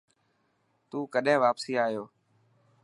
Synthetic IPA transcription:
t̪uːkəɗẽːʋaːpsiːaːɦijoː

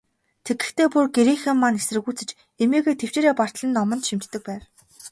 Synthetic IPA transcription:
t̪ʰeɡɘ̆xt̪ʰeːpurɡeɾiːxĕmːanesrɘ̆ɣuːt͡sɘ̆t͡ɕ | emiːɣeːt̪ʰew̥t͡ɕeːɾeːpɔr̥t̪ɮə̆nːɔmɞ̆nt̪ʃim̥t̪ʰːɘ̆k̚pæːw

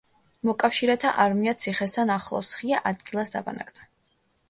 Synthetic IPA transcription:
mɔkʼafʃiɾɛt̪ʰa̰ʔaɾmiat̪sʰiχɛst̪ʰanaχlˠɔ̰sχiaʔad̪̚ɡilˠasd̪a̰ba̰na̰kd̪a

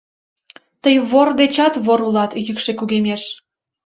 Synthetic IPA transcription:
t̪əjβord̪et͡ɕɑt̪βoɾulɑt̪jykʃekuɣemeʃ

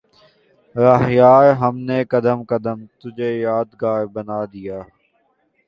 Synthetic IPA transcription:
ɾaɦjaːɾɦəmneːkəd̪əmkəd̪əmt̪ʊd͡ʒʱeːjaːd̪ɡaːɾbənaːd̪ijaː

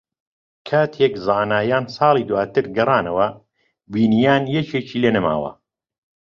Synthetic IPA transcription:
kʰaːt̪ʰjɛkzaːnaːjaːnsɑːlˠiːd̪uwaːt̪ɨɾɡɐrˤɑːnɐwɐ | biːnijaːnjɛt͡ʃeːt͡ʃiːlenɐma̰ːwɐ̰

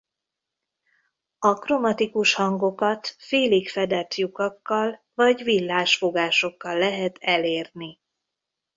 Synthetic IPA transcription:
ɒkromɒt̪ikuʃhɒŋɡo̞kɒt̪feːlikfɛd̪ɛt̪jukɒkːɒl | vɒɟvilːaːʃfo̞ɡaːʃo̞kːɒlːɛɦɛt̪ɛleːrni

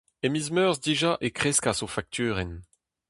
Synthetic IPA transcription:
emizmœːʁzdiʒaʔekχeskazofak̚t̪ʰyːʁɛn

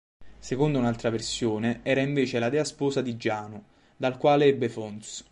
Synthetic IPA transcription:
sekond̪ounalt̪ɾaversjoːneɛːɾaiɱveːt͡ʃelad̪ɛːaspoːsad̪id͡ʒːaːno | d̪alkwaːleɛbːefɔnt̪s

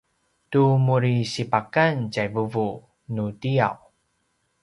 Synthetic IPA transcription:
tumuɾiɕipakancajvəvu | nudia̰w

